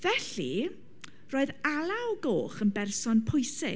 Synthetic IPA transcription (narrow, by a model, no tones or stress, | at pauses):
vɛɬḭ | roːɨðalˠawɡoːχənbɛrsɔnpʰʊjsɪ̰